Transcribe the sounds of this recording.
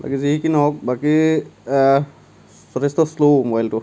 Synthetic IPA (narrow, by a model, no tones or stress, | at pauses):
ba̰kiziɦikinɔɦɔk̚baki | sɔɾɛstɔslomɔbajltʊ